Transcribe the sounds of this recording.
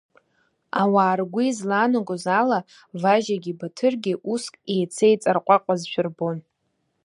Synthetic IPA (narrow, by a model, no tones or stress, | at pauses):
awaːrɡʷizlaːnaɡʷʼozala | vaʒaɡʲibatʰɨrɡʲiɪʔuskʼejt͡sʰejt͡sʼarqʷʼaqʷʼazʃᶣʊrbon